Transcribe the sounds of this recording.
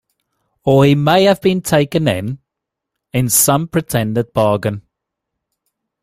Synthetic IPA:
əimeɪəvbĩntʰeɪkə̃nɪ̰̃n | ɪ̃nsʌ̃mpʰɹ̥ɨtʰɛ̃ndɪd̚b̥ɑːɡə̃n

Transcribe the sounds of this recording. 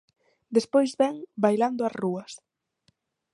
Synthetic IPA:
d̪espojzβɛŋbajland̪ʊɐsruɐs

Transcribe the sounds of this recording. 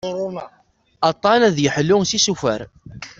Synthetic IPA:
m | ɑt̪ˤːɑnæðjəħlːʊŋsisufæ̰ɾ

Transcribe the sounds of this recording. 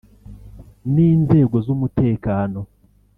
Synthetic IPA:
niːnze̞ɡo̞zumute̞ːkaːno̞

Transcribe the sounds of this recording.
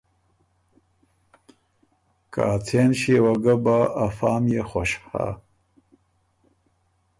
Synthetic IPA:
ka̰ːt͡sʰeːnɕewɐɡɐbaʔːfaːmjeχʷoʃha̰

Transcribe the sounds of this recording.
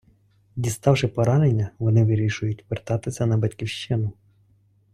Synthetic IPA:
dʲist̪ɑwʃɪpɔɾɑnenʲːɐʋɔnɪʋɪɾʲiʃʊjʊtʲʋɪrt̪ɑt̪ɪsʲɐnɐbɐtʲkʲiwʃt͡ʃɪnʊ

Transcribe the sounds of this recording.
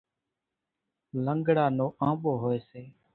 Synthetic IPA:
ləŋɡɽaːnoːʔãːɓoːɦoːeːseː

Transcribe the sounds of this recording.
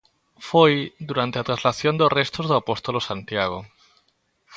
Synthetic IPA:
fojd̪uɾant̪eat̪ɾazlaθjond̪orest̪ozðoapost̪olosant̪jaɣ̞o

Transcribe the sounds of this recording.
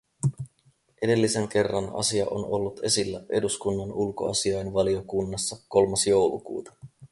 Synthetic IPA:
ʔe̞de̞lːise̞ŋk̟e̞rːɑnɑ̰siɑ̰ʔo̰no̞lːut̪e̞silːæʔe̞̰duskunːɑnulko̞̰ɑ̰siɑjnʋɑlio̞kunːɑsːɑko̞lmɑsjo̞wlukṵːt̪ɑ̥

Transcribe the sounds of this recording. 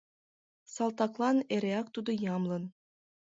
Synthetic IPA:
sɑlˠt̪ɑklˠɑneɾʲeɑk̚t̪ud̪ɤ̆jɑmlˠɤ̆n

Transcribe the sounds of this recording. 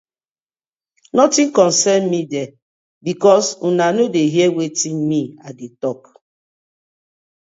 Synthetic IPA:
nɔtĩnkɔ̃nsɛnmidɛ | bikɔsunanodeɦiɛwetĩnmiadetɔk

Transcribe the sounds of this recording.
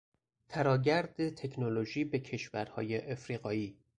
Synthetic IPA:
t̪ʰæɾɒːɟæɾd̪et̪ʰe̞kʰnolo̞ʒiːbe̞cʰe̞ʃvæɾhɒ̰ːjeʔefɾiːɣɒːiː

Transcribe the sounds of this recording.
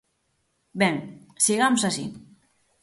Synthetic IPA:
bɛŋsiɣamsasḭ

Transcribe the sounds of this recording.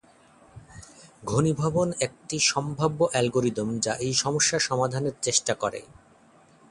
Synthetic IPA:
ɡʱonibʱabonek̚ʈiʃɔmbʱabːoʔɛlɡoɾid̪omd͡ʑaʔejʃɔmoʃːaʃɔmad̪ʱaneɾt͡ɕeʃʈakɔɾḛ

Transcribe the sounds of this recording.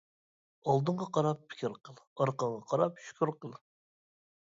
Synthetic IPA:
ɑlˠd̪ɨɴʁɑqʰɑɾɑpʰːi̥kʲʰiɾqʰəlˠɑɾqɑɴʁɑqʰɑɾɑp̚ʃy̥kʲʰyɾqəlˠ

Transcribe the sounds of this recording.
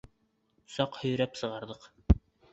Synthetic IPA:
sɑqhɵ̆jɾæpsɤ̆ʁɑɾðɤq

